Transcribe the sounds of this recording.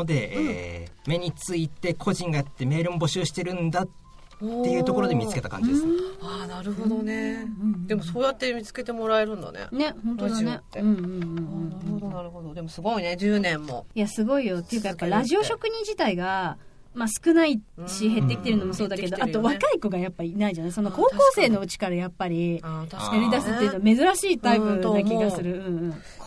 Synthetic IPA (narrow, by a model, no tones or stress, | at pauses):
od̪e̞ʔḛːme̞ɲ̟it͡sɨit̪e̞kʰo̞ʑĩŋɡajat̪ːe̞me̞ːɾɯ̟mobo̞ɕɨːɕi̥t̪e̞ɾɯ̟̃nd̪at̪ː | e̞jɯ̟ːt̪o̞koɾo̞d̪e̞mʲit͡sɨ̥ke̞t̪akã̰ɲd͡ʑd̪esɨaːnaɾɯ̟ɦod̪onẽd̪e̞mosoːjat̪ːe̞mʲit͡sɨ̥ke̞t̪e̞mo̞ɾae̞ɾɯ̟̃nd̪a̰nḛne̞hõ̞nt̪od̪neeɯ̟̃ɴɯ̟̃ɴ̃ɴɯ̃ɴnaɾɯhod̪onaɾɯ̟ɦod̪od̪e̞mosɨɡo̞ine̞d͡ʑɨːnẽ̞mːo̞̰ijasɨɡo̞ijo̞t̪ːe̞jɯ̟kːajapːaɾaʑio̞ɕo̞kɯ̟ɲ̟ĩɲ̟d͡ʑit̪aiɡa | masɨ̥kɯ̟naiɕiɦe̞t̪ːe̞kʲi̥t̪e̞ɾɯ̟no̞mo̞so̞ːd̪akke̞o̞ʔat̪o̞βakaiko̞ɡajapːainaid͡ʑanaiso̞no̞ko̞ːko̞ːse̞ːno̞ɯ̟t͡ɕi̥kaɾajapːaɾʲiakaɾʲid̪asɨt̪eiɯ̟nome̞zɨɾaɕiːt̪aibɯd̪akʲiɡasɨɾɯ̟ɯ̟̃ɰ̃ɯ̟̃ɴ